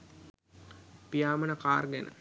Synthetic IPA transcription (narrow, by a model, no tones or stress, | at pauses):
pijaːmənəkaːrɡænə̰